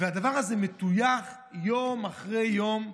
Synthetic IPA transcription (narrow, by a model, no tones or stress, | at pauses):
vead̪avaʁazemet̪ujaχ | jomaχʁejːom